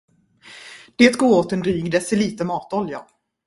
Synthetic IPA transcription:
d̪̥eːt̪ɡoːɾoːt̪ɛnd̪ɾyːɡd̪ɛsɛliːt̪əmɑːt̪ɔlja

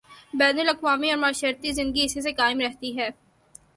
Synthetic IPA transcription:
bɛːnəlɐkʋaːmiɔːɾmaːʃəɾt̪izɪ̃nəɡiɪsis̬ekaːɪmɾɛɦt̪iɦɛː

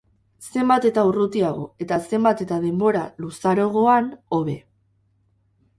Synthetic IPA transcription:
se̞mbat̪e̞t̪aurut̪iaɣ̞o̞̰e̞t̪ase̞mbat̪e̞t̪að̞e̞mbo̞ɾalusaɾo̞ɣ̞o̞ano̞β̞e̞

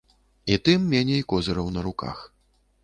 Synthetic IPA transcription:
it̪ɨmːʲanʲɛjkɔzɨɾɐwnɐɾuka̰x

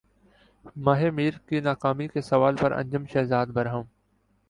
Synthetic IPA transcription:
mɐːɦemiːɾkinaːkaːmikesɐʋaːlpɐɾɐ̰̃ɲd͡ʒəmʃɛːzaːd̪bɐɾɦə̃m

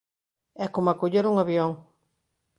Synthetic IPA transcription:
ɛkomakoʎeɾuŋaβjoŋ

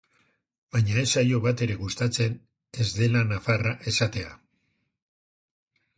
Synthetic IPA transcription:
baɲae̞sajo̞β̞at̪e̞ɾe̞ɣust̪at͡se̞n | e̞zd̪e̞lanafaraʔe̞sat̪e̞a̰

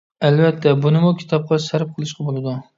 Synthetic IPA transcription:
ælvæt̪ʰːɛbunɪmukʲʰi̥t̪ʰɑp̚qʰɑsæɾp̚qʰɨlˠɨʃqʰɑbolˠɪd̪ʊ

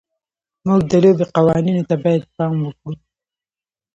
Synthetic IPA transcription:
muɡ̚d̪əlobeqawɑninot̪abɑjad̪̚pɑmwəkɽu

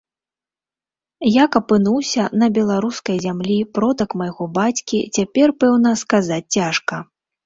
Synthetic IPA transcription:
jakɐpɨnuwsʲɐnɐbʲɛlˠaɾuskɐjzʲamlʲipɾɔt̪ɐkmajɣɔbat͡sʲkʲḭt͡sʲapʲɛrpɛwn̪ɐskazat͡sʲt͡sːʲaʂkɐ

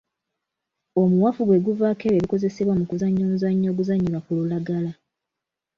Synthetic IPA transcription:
o̞muwafuɡwe̞ɡuvakeweβiko̞ze̞se̞βwamukuzaɲːoːmuzaɲːo̞ːɡuzaɲːilwakululaɡala

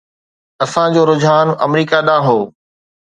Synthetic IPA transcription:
ɐsãd͡ʑoːɾʊd͡ʑʱaːnɐ̰mɾiːkaɗãːɦoː

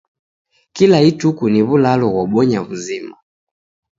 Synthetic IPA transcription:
kilaitukuniβulalɔɣwaɓɔɲaβuzima

